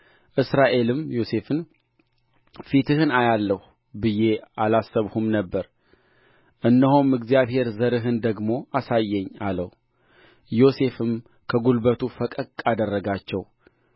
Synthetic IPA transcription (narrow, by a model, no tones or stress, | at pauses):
ʔɨsɾaʔe̞lɨmjo̞se̞fɨn | fit̪ʰɨhɨnajalːəh | bɨje̞alasːəβhumnəbːəɾ | ʔɨnːəɦomɨɡzijaβhe̞ɾzəɾɨɦɨnd̪əɡmo̞ʔasajːɛɲːaləh | jo̞se̞fɨm | kʰəɡulbət̪ʰufəkʼəkʼad̪ərːəɡat͡ʃːɛw